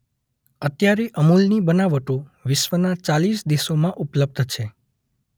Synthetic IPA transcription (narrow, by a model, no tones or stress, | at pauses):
ət̪jaɾeʔəmulnibənaʋəʈoʋɪʃʋənat͡ʃalisd̪esomãʔupləb̚d̪ʱt͡ʃʰe